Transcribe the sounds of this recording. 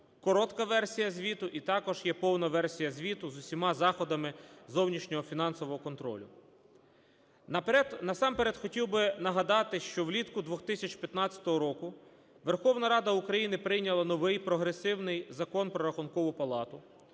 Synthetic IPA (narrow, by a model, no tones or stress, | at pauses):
kɔɾɔt̪kɐʋɛrsʲijɐzʲʋʲit̪ʊʔit̪ɑkɔʒjɛpɔwnɐʋɛrsʲijɐzʲʋʲit̪ʊzʊsʲimɑzɑxɔd̪ɐmɪzɔwnʲiʃnʲɔɦɔfʲinɑnsɔʋɔɦɔkɔnt̪ɾɔ̰lʲʊ | nɐɛnɐsɑmpeɾɛd̪xɔtʲiwbɪnɐɦɐd̪ɑt̪ɪʃt͡ʃɔwlʲit̪kʊd̪ʋɔxt̪ɪsʲɐt͡ʃpʲjɐt̪nɑt͡sʲɐ̥t̪ɔɦɔɾɔkʊ | ʋerxɔwnɐɾɑd̪ɐukɾɐjinɪpɾɪjnʲɐlˠɐnɔʋɪjpɾɔɦɾesɪwnɪjzɐkɔnpɾɔɾɐxʊnkɔʋʊpɐlˠɑt̪ʊ